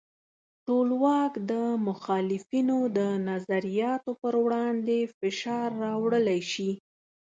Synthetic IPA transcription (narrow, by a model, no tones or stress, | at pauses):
ʈolwɑkd̪əmʊxɑlɪfinod̪ənazaɾijɑt̪opəɾwɽɑnd̪efɪʃɑɾːɑwɽəlajʃi